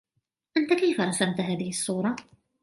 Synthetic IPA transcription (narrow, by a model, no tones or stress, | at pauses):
ʔant̪akajfaɾˤɑsamt̪ɦaːðɪhɪsˤːuːɾˤɑ